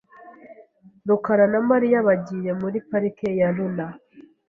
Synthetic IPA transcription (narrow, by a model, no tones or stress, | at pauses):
nukaɾanamaɾijaβaɟiɾemuɾipaɾikejaluna